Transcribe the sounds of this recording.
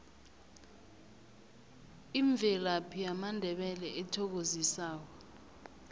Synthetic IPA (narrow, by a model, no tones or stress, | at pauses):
iɱb̪vʱɛlapʰijamandʱɛɓɛlɛʔɛtʰɔk̬ozisaːkɔ